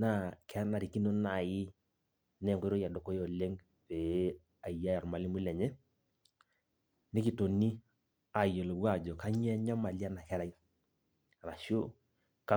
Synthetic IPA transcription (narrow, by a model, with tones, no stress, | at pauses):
na˦˨kɛ˦na˨ɾi˨ki˦no˦na˨ji˦ | nɛ˦˨ŋɡɔ˦ɾo˦ja˨do˨ko˦jo˨le˦ŋ | pe˨˦ | a˨ja˦ja˨ɾma˨li˦mu˦lɛ˨ɲɛ˦ | ne˦ki˨to˨ni˦ | a˨jo˨lo˨wa˦˨d͡ʒɔ˨ka˦ɲ˦ɛ˦ɲa˦ma˨lja˦na˨kɛ˦ɾa˨i˦˨ | ɾa˨ʃjo˦ | ka˦